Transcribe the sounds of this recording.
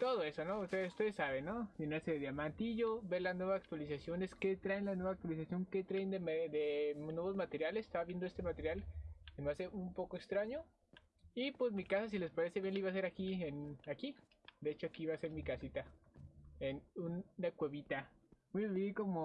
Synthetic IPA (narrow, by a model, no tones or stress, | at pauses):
t̪o̞ðo̞e̞so̞no̞ust̪eust̪eðesːaβenːo̞jenaɾseðeðjamãnt̪iʝoβe̞laznwe̞βasak̚t̪walisasjo̞ne̞ske̞t̪ɾaenlanwe̞βaːk̚t̪walisasjo̞ŋke̞t̪ɾaend̪emed̪enwe̞βo̞zmat̪e̞ɾjalese̥st̪aβaβje̞nd̪oe̞st̪emat̪e̞ɾjalenase̞umpo̞koekst̪ɾaɲo̞ | ipwe̞zmikasas̬ile̞spaɾe̞seβjenliβas̬e̞ɾakienaki | d̪eet͡ʃo̞akiiβaːse̞ɾmikasit̪a | enunːakwe̞βit̪a | mujβeβiko̞mo